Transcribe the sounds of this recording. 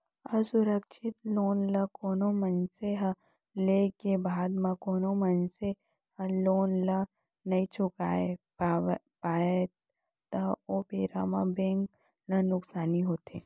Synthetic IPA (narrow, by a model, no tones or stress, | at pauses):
ɐsʊɾəkʃʰɪt̪loːnlɐkoːnomɐnseɦə | lekebaːd̪mãkoːnomɐnse | əloːnlə | nɐĩt͡ʃʰʊkaːepː | paːet̪ | t̪ɐopeːɾa̰mãbẽːŋk | lɐnʊksaːniɦoːt̪ʰḛː